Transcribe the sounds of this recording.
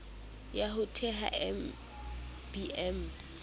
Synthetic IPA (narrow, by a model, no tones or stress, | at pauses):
jaɦʊtʰɛɦa̰ʔɛm | b̥iɛm